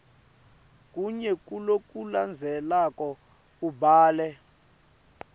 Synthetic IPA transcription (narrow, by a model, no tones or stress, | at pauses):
kʼuɲɛkʼulokʼuland͡zʱɛlakʼɔ | kubaːlɛ